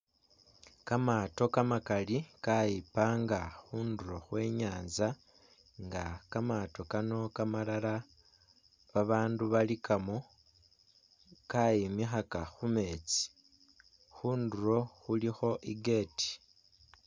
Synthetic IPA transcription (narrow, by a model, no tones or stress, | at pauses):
kamaːto̞kamakalikajipaːŋɡaxuːnduɾo̞xwe̞ːɲaːnza | ŋɡakamaːto̞kano̞kamalala | βaβaːnduβalikʰamo̞ | kajimixakaxume̞ːt͡si̥ | xuːnduɾo̞xulixo̞ʔiɡe̞ti̥